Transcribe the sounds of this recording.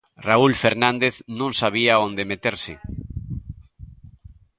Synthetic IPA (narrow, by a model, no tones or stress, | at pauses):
raulfeɾnãnd̪eθnũŋsaβ̞iaond̪emet̪eɾsɪ